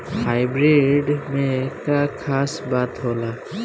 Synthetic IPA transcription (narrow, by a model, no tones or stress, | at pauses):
hajbɾeɖmekakʰasbat̪ɦola